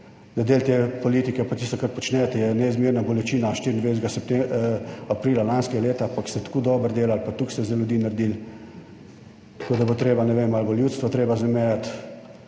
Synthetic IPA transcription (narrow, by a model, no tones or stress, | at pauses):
d̪ad̪eːlt̪epɔliːt̪ikɛpat̪ist̪ɔkɾat̪̚pɔt͡ʃnɛt̪ɛjɛnɛizmiːɾnabɔlɛt͡ʃiːnaʃt̪iːɾind̪ʋesɛɡasɛpt̪eapɾiːlalanskɛɡaleːt̪aampakst̪ɛt̪kuːd̪ɔːbəɾd̪eːlaalpat̪ukst̪ɛzɛlʲjud̪iːnaɾd̪iːl | t̪ḁkʰoːd̪abot̪ɾeːbanɛʋeːmalboljuːt̪st̪ʋɔt̪ɾeːbazɛmɛjat̪